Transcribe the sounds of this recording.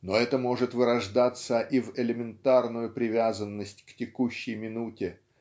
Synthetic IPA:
no̞ɛt̪əmo̞ʐɨt̪vɨɾɐʐd̪at̪səʔivɪlʲɪmʲɪnt̪arnʊjʊpɾʲɪvʲazənːəsʲtʲktʲɪkuɕːɪjmʲɪnutʲɪ

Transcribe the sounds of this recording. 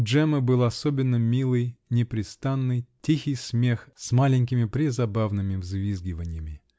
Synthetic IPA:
ʐɛməbɨlˠɐsobʲɪnːəmʲilˠɨjnʲɪpɾʲɪst̪anːɨjtʲixʲɪjsmʲexsmalʲɪnʲkʲɪmʲɪpɾʲɪzɐbavnɨmʲɪvzvʲizɡʲɪvənʲɪjəmʲɪ

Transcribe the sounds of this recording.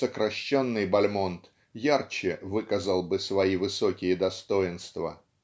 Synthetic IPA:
səkɾɐɕːonːɨjbɐlʲmo̞nt̪ | jart͡ɕɪvɨkəzəlˠbɨsvɐivɨsokʲɪjəd̪ɐst̪o̞jɪnst̪və̰

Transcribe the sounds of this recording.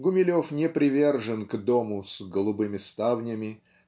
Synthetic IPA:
ɡʊmʲɪlʲofnʲɪpɾʲɪvʲe̞rʐɨnɡd̪omʊsɡəlˠʊbɨmʲɪst̪avnʲəmʲɪ

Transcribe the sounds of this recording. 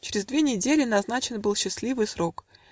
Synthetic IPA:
t͡ɕɪɾʲɪzd̪vʲenʲɪdʲelʲɪnɐznat͡ɕɪnbɨlˠɕːɪslʲivɨjsɾo̞k

